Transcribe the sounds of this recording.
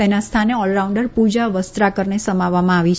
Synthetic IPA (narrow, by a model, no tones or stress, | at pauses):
enast̪ʰaneɔlɾauɳɖəɾpud͡ʒaʋəst̪ɾakəɾɳesəmaʋːamãaʋit͡ʃ